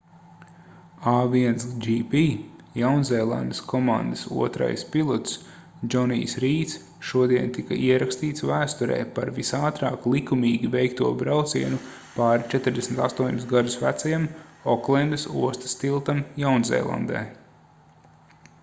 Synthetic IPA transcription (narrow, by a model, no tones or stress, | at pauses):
aːviɛnsd͡ʒipijawnzɛːlˠa̰nd̪əskʰɔmand̪əsṵɔt̪ɾa̰jspilˠɔt̪s | d͡ʒɔnḭːsɾiːt̪s | ʃuɔd̪iɛnt̪ika̰ʔiɛɾakst̪iːt̪svæːst̪uɾɛ̰ːpaɾvisaːt̪ɾɑːklˠikumiːɡʲivɛjkt̪uɔbɾawt̪siɛnu | paːɾit͡ʃɛt̪ɪɾd̪esmit̪ast̪uɔɲʲusɡad̪usvæt̪sajamɔklˠɛnd̪əsuɔst̪ə̥st̪ilˠt̪amjawnzɛ̰ːlˠa̰nd̪ɛ̰ː